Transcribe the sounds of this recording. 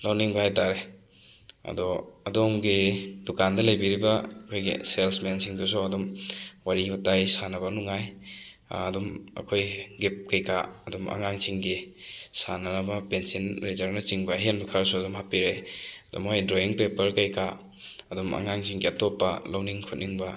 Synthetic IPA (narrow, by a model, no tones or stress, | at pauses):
lawniŋbɐhajtaɾe | ɐ̰dɔɐdomɡidukandɐlɐjbiɾibɐkʰojɡḭselsmensiŋdusuɐdumwaɾibatajsanɐbɐnuŋaj | ɐdumɐ̰kʰojɡip̚kɐjkʰaɐduma̰ŋaŋsiŋɡisanɐnɐbɐpensinɾezɐɾnɐt͡ʃiŋbɐɦenbɐkʰaɾsuɐdumhapiɾeɐdɔ̰mojdɾoiŋpepɐɾkɐjkʰa | ɐduma̰ŋaŋsiŋɡiɐtopːɐlawniŋkʰut̚niŋbɐ